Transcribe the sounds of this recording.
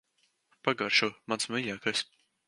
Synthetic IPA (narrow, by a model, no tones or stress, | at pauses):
paɡaɾʃumansmɨjaːkasʲ